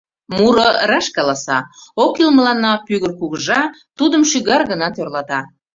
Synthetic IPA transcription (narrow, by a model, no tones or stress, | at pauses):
muɾorɑʃkɑlɑsɑokilməlɑnːɑpyɣərkuɣəʒɑt̪ud̪əmʃyɣɑrɣənɑt̪ørlɑt̪ɑ